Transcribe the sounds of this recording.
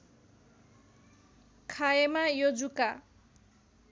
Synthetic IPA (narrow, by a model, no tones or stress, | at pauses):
kʰajemajod͡zuka